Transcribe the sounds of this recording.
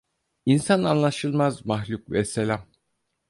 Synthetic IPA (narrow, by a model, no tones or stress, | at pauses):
insananlˠaʃɯlˠmazmaxlʲukvɛselʲam